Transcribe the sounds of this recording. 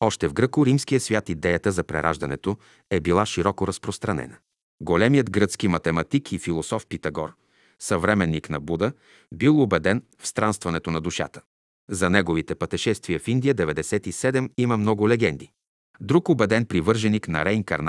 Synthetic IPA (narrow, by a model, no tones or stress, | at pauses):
ɔʃt̪ɛvɡɾɤkʊɾimskijəsvʲjat̪id̪ɛjət̪əzɐpɾɛ̰ɾʔa̰ʒd̪ɐnɛ̰t̪o | ɛbilˠaʃiɾɔkoɾɐspɾost̪ɾɐnɛ̰nə | ɡolɛmijəd̪ɡɾət̪skimɐt̪ɛmɐt̪ikʰifilˠosɔfpit̪ɐɡɔɾ | sɐvɾɛmɛnːiknɐbud̪ə | bilˠobɛd̪ɛn | fst̪ɾanst̪vɐnɛt̪onɐd̪uʃa̰t̪ə̥ | zɐnɛɡovit̪ɛpɐt̪ɛʃɛst̪viəfind̪ijəd̪ɛvɛd̪ɛsɛt̪isɛd̪ɛmiməmnɔɡʊlɛɡɛnd̪i | d̪ɾukobɛd̪ɛnpɾivɤɾʒɛniknɐ̰ɾɛiŋkɐ̰ɾn